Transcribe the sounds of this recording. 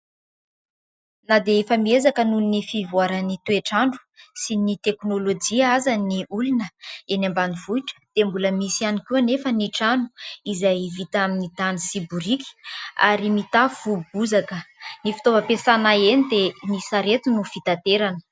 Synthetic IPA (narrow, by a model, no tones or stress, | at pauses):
nad̪eefamiezakənulunifivuaɾənit̪ueʈ͡ʂaɳɖ͡ʐu̥sinit̪eknolod͡ʒiaazaniulunəenambanivuiʈ͡ʂə̥d̪̥embuləmisianikuanefəniʈ͡ʂanu̥izajvit̪aminit̪anisibuɾikʲi̥a̰ɾimit̪afubuzakənifi̥t̪ovəpesanaenid̪emisaɾet̪unufit̪at̪eɾanə̥